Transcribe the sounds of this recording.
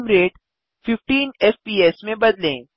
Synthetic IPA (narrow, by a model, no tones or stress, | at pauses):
mɾeːʈ | fɪfʈiːnɛːfpiːeːsmẽbɐd̪lḛ̃ː